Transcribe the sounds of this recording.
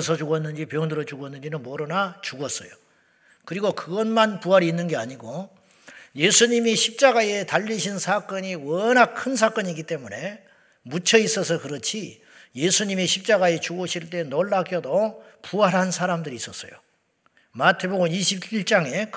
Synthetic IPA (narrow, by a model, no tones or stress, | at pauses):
sʰʌt͡ɕuɡʌnːɯnd͡ʑipjʌŋdɯɾʌt͡ɕuɡoʌnːɯnd͡ʑinɯnmʌɾɯnat͡ɕuɡʌs͈ʌjo | kɯɾiɡokɯɡʌnmanpuɦaɾiːnːɯnɡe̞aɲiɡo | je̞sʰuɲimiɕʰip̚t͡ɕ͈aɡae̞taʎːiɕʰinsʰak͈ʌɲiwʌnak̚kʰɯns̬ʰak͈ʌɲiɡit͈e̞mune̞ | mut͡ɕʰʌis͈ʌs̬ʰʌkɯɾʌt͡ɕʰi | je̞sʰuɲimiɕʰip̚t͡ɕ͈aɡae̞t͡ɕuɡoɕʰiɭt͈e̞noɭːaɡjʌdopuɦaɾɦansʰaɾamdɯɾiːs͈ʌs͈ʌjo̰ | matʰe̞boɡɯmiɕʰibiɭt͡ɕ͈aŋe̞k